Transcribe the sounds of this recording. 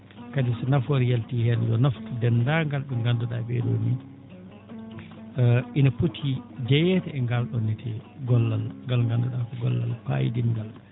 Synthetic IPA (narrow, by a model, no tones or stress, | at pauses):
kadisɛnafoɾijaltihɛnjɔnaftudɛndaŋɡalɓɛŋɡandɔɗabɛ̰do̰ni | ʔinaputʰːid͡ʒɛjɛtɛɛŋɡalɗɔnːɛtʰɛɡɔlːalŋɡalŋɡanduɗakɔɡɔ̰lːa̰lpa̰jḭdiŋɡal